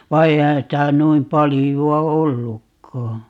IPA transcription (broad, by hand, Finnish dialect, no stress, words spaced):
ʋɑ eihæn sitæ nuim pɑlijuɑ olːukːɑː